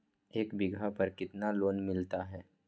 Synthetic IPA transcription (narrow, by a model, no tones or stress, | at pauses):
eːkbɪɡʱapɐɾkɪt̪naloːnmɪlt̪aɦɛː